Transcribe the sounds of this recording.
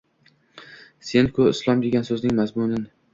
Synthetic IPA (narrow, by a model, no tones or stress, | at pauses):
se̞nkʰʊɪslˠɒmd̪e̞ɡʲansɵznɪŋmazmʊnɪn